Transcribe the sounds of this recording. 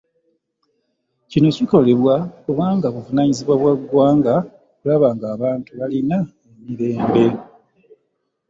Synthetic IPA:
cino̞ciko̞le̞βwakuβaːŋɡaβuvunaɲiziβwaβwaɡwaːŋɡa | kulaβaːŋɡaːβaːntuβalina | emiɾe̞ːmbe̞

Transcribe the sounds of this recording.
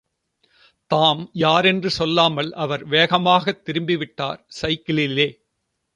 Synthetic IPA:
t̪aːmjaːɾɛndrɯsɔlːaːmɐlɐʋɐɾʋeːɣɐmaːɣɐt̪ːɪɾɯmbɪʋɪʈːa̰ːɾsɐɪkːɪlɪlːeː

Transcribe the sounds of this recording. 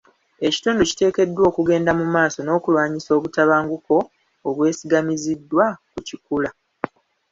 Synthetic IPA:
e̞ci̥tuːndoci̥te̞ːke̞dːwo̞ːkuɡe̞ːndamumaːso̞no̞ːkulwaːɲiso̞ːβutaβaːŋɡuko̞ː | βwe̞ːsiɡamizidːwakucikula

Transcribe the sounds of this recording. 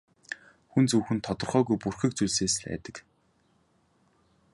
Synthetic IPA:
xunt͡suːxɘ̆nt̪ʰɔt̪ɞ̆rχœːɣujpurxĭk̚t͡sujɮseːs̆ɮæ̰ːt̪ə̆k

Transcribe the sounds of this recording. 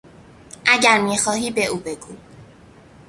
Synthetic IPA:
ʔæɟæɾmiːxɒːɦiːbeʔuːbe̞ɡuː

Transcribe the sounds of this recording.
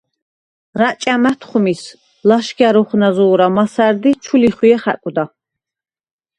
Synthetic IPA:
ɾat͡ʃʼamæt̪ʰχumis | laʃɡaɾuχnazuɾamasæɾd̪it͡ʃʰuliχwiɛχæ̰kʼud̪a

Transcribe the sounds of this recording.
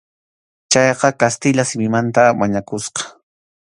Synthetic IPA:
t͡ʃɑjqɑkast̪ɪʎasɪmɪmant̪amaɲakʊsqɑ̥

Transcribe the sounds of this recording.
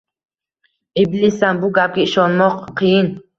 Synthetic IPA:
ʔiblisambuɡap̚kiiʃɔnmɔqqʰijin

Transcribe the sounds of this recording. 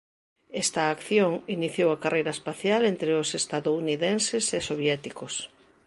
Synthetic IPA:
ɛst̪ɐːkθjoŋiniθjowɐkarʔejɾɐespaθjalent̪ɾeʊsest̪aðouniðẽnsesesoβjɛt̪ikos

